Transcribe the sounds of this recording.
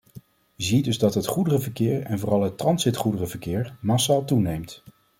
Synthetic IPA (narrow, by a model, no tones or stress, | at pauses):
jəzidɵzdɑtɦətχudərəvəɹkɪːɹɛnvʊːrɑlˠɦətrɑnsɪtχudərəvəɹkɪːɹmasaːlˠtunejmt